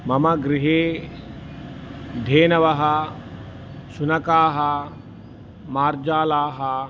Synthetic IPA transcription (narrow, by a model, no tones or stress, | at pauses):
mɐmɐɡɾɪɦeː | d̪ʱeːnɐʋɐɦɐ | ʃunɐkaːɦɐ | maːɾd͡ʒaːlaːɦɐ